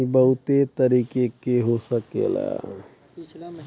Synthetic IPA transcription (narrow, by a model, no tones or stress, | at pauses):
ibəɦut̪et̪əɾikekeɦosəkḛla̰